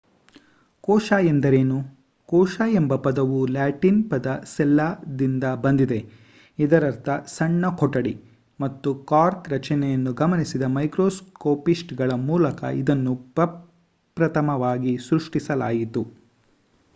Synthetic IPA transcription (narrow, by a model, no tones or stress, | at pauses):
kɔːʃaːjend̪ɐɾe̞ːnu | kɔːʃaːjembɐpɐd̪ɐʋulaːʈinpɐd̪ɐsɛlːad̪ind̪ɐbɐnd̪id̪e̞ | id̪ɐɾɐɾt̪ʰɐsɐɳːɐkʰɔʈɐɽi | mɐt̪ːukaːɾkɾɐt͡ʃɐnɛjɐnːuɡɐmɐnisid̪ɐmɐjkɾoːskoːpisʈɡɐɭɐmuːlɐkɐ̰id̪ɐnːupɾɐ | pɾɐt̪ɐmɐʋaːɡisɾuʂʈisɐlaːjit̪u